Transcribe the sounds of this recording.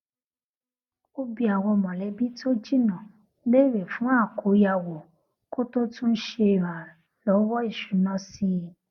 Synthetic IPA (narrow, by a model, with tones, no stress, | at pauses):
o˦bi˧˦a˨wɔ˧mɔ̃˨lɛ˨˦bi˦to˦d͡ʒi˦˨nã˨˦ | be˦˨ɾe˨fũ˨˦a˦˨ko˨˦ja˧˨wɔ˨ | ko˦to˦tũ˦n̩˦ʃe˧˨ɾa˨ | lɔ˨˦wɔ˦i˦˨ʃu˨˦nã˦si˧˦